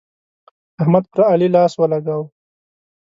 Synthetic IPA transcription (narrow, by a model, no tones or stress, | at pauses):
ahmad̪̚pɾaalilɑːswəlaɡaw